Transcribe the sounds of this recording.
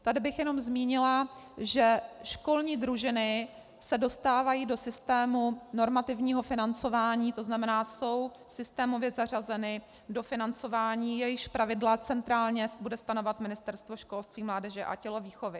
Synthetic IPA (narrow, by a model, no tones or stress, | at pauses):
t̪adɪbɪxjɛno̞mzmiːɲɪlaʒɛʃko̞lɲiːd̪ɾuʒɪnɪ | sɛdo̞st̪aːvajiːdo̞sɪst̪ɛːmuno̞ɾmat̪ɪvɲiːɦo̞fɪnant͡so̞vaːɲiːt̪o̞znamɛnaːso̞w | sɪst̪ɛːmo̞vjɛzar̝azɛnɪ | do̞fɪnant͡so̞vaːɲiːjɛjɪʃpɾavɪdlat͡sɛnt̪ɾaːlɲɛsbudɛst̪ano̞vat̪mɪnɪst̪ɛɾst̪vo̞ʃko̞lst̪viːmlaːdɛʒɛʔa̰cɛlo̞viːxo̞vɪ